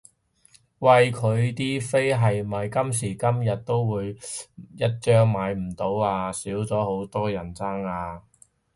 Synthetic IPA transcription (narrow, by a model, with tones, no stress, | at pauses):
wɐ˨jkʰɵ˨˧ɥt̪iː˥fe˥jɦɐ˨jmɐ˨jkɐ˥ms̬iː˨˩kɐ˥mjɐ˨t̚t̪o˥wwuː˨˧jjɐ˥t̚ːt͡ʃœː˥ŋmaː˨˧jm̩˨˩t̪o˨˥waː˧siː˨˥wt͡sɔː˨˥ho˨˥wt̪ɔː˥jɐ˨˩nt͡saː˥ŋaː˧